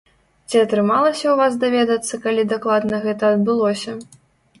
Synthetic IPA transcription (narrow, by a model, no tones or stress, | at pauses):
t͡sʲiɐt̪ɾɨmalˠɐsʲɐwvasd̪avʲɛd̪ɐt̪sːɐkalʲid̪aklˠad̪nɐɣɛt̪ɐːd̪bɨlˠɔsʲɐ